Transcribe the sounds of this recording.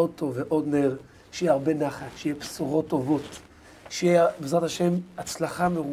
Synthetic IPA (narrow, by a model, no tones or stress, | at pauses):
od̪̚t̪o̞veʔo̞d̪nl | ʃejiaʁbe̞naχat̪ʃejepsuʁo̞tːo̞vo̞t̪ | ʃejebezʁat̪aʃe̞mat͡slaχameʁu